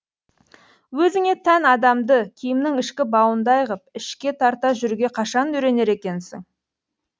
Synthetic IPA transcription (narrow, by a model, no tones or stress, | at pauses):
wɵzɪŋe̞t̪ʰænɑd̪ɑmd̪əkʲʰijɪmnɪŋɪʃkʲɪbɑwənd̪ɑjʁəp̚ɪʃkʲe̞t̪ʰɑɾt̪ɑʒʏɾuɡʲe̞qʰɑʃɑnɵɾe̞ne̞ɾe̞kʲe̞nsɪ̰ŋ